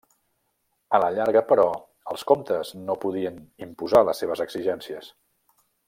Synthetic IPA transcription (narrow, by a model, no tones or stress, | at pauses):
ələʎaɾɣəpəɾɔ | əlˠskomt̪əznopuðiənimpuzaləsːeβ̞əzəɡz̥iʒɛnsiəs